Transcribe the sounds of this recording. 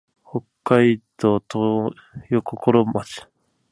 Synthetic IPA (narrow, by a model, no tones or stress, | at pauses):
hokːaid̪oːt̪o | jokokoɾomat͡ɕi̥